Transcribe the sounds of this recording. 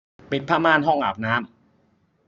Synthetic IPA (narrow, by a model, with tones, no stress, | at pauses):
pi˨˩t̪̚pʰaː˥˩maː˥˩˨nɦɔ˥˩ŋʔaː˨˩p̚naː˦˥m